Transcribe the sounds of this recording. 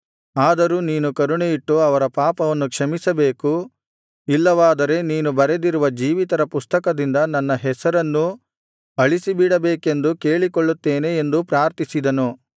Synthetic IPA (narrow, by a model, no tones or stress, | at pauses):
aːd̪ɐɾuːniːnukɐɾuɳejiʈːuɐʋɐɾɐpaːpɐʋɐnːukʂɐmisɐbe̞ːku | ilːɐʋaːd̪ɐɾe̞niːnubɐɾed̪iɾuʋɐd͡ʒiːʋit̪ɐɾɐpust̪ɐkɐd̪ind̪ɐnɐnːɐɦɛsɐɾɐnːu | ɐɭisibiɽɐbeːke̞nd̪uke̞ːɭikoɭːut̪ːe̞ːneːnd̪upɾaːɾt̪isid̪ɐnu